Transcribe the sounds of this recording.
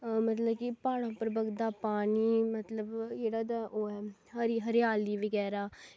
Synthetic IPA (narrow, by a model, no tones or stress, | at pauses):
mət̪ləbkɪpaːɽ̃ãːpəɾbəɡd̪aːpaːɳiːmət̪ləbd͡ʒeːɽaːd̪aʔoːɛːɦəɾiɦəɾɪjaːliːʋəɡɛːɾaː